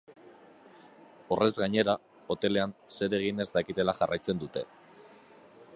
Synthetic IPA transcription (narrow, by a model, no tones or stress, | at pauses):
o̞rʔe̞zɣaɲe̞ɾa | o̞t̪e̞le̞anse̞ɾe̞ɣ̞ine̞zd̪akit̪e̞laʝarajt͡se̞nd̪ut̪e̞̰